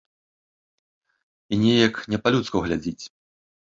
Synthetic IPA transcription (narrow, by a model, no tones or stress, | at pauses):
inʲɛjɐknʲɛpalʲut̪skɐɣlʲad͡zʲit͡sʲ